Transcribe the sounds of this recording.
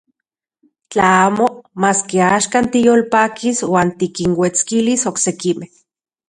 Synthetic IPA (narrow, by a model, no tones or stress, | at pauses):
t͡ɬaaːmomaːskeaːʃkaːnt̪ijoːlpaːkʰiswaːnt̪ikinwet͡skilisoksekimeh